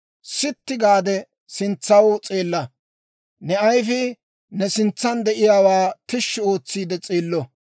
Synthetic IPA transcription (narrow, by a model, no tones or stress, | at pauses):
sɪt̪ːɪɡaːd̪ɛ | sɪnt͡sːɐwt͡sʼeːlːɐ | nɛɐjfɪ | nɛsɪnt͡sːɐnd̪ɛʔɪjaːwaːt̪ɪʃːɪo̞ːt͡sːiːd̪ɛt͡sʼeːlːɔ